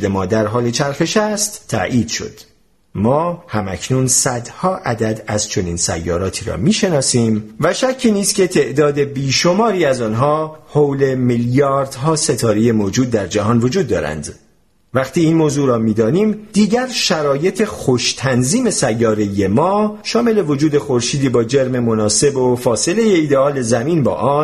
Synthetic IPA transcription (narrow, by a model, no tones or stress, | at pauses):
d̪e̞mɒːd̪æɾɦɒːle̞t͡ʃʰæɾxe̞ʃæst̪ʰːæ̰ʔiːd̪̥ʃo̰d̪̥ | mɒːhæmæcʰnunsæd̪hɒːʔæd̪æd̪æzt͡ʃʰo̞niːnsæ̰jːɒ̰ːɾɒːt̪ʰiːɾɒ̰ːmiːʃe̞nɒːsiːmvæʃæcʰːiːniːst̪kʲe̞t̪ʰeʔd̪ɒːd̪e̞biːʃo̞mɒːɾiːæzɒːnɦɒːhowle̞miljɒːɾd̪̥ɦɒːse̞t̪ʰɒːɾeje̞moːd͡ʒuːd̪̚ːæɾd͡ʒæɦɒːnvo̞d͡ʒuːd̪ːɒːɾæ̰nd̪ | væχt̪ʰiːiːnmoːzuːɾɒːmiːd̪ɒːniːmd̪̥iːɟæɾʃæɾɒːje̞t̪ʰe̞xoʃt̪ʰænziːme̞sæjːɒːɾe̞je̞mɒːʃɒːme̞le̞vo̞d͡ʒuːd̪e̞xo̞ɾʃiːd̪iːbɒːd͡ʒe̞ɾme̞mo̞nɒːse̞bofɒːse̞le̞je̞iːd̪e̞ɒːle̞zæmiːnbɒ̰ːʔɒːn